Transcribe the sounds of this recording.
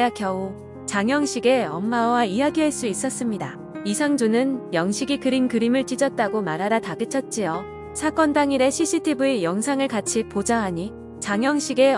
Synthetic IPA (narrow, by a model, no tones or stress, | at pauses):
akjʌu | t͡ɕaŋjʌŋɕʰiɡe̞ʌmːawaijaɡiɦaɭs͈uis͈ʌs͈ɯmɲida | isʰaŋd͡ʑunɯnjʌŋɕʰiɡikɯɾinkɯɾimɯɭt͡ɕ͈id͡ʑʌt̚t͈aɡomaɾɦaɾataɡɯt͡ɕʰʌt̚t͡ɕ͈ijʌ | sʰak͈ʌndaŋiɾe̞ɕʰis͈ʰitʰibuejʌŋsʰaŋɯɭkat͡ɕʰipod͡ʑaɦaɲi | t͡ɕaŋjʌŋɕʰiɡe̞